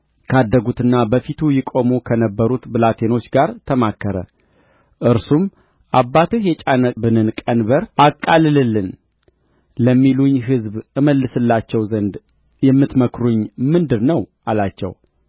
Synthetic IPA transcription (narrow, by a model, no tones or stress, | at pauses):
kʰəad̪ːəɡut̪ɨnːabəfit̪ʰujɪkʼo̞mukʰənəbːəɾut̪bɨlat̪ʰe̞no̞t͡ʃːɡaɾt̪ʰəmakːəɾə̰ | ʔɨɾsum | ʔabːat̪ɨhjɛt͡ʃʼanəbɨnɨnkʼənbəɾakʼːalɨlɨlːɨn | ləmːiluɲːɦɨzbɨməlːɨsɨlːat͡ʃːɛwzənd̪ | jɛmːɨt̪məkɾuɲːmɨnd̪ɨɾnəwʔalat͡ʃːɛ̰w